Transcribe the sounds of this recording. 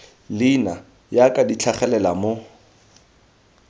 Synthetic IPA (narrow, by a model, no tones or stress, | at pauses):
lɪna | jakʼadit͡ɬʰaχɛlɛlamo